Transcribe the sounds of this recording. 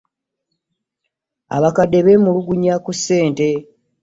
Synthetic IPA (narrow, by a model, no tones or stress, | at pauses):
a̰βakadːe̞βe̞muluɡuɲakusːe̞ːnte̞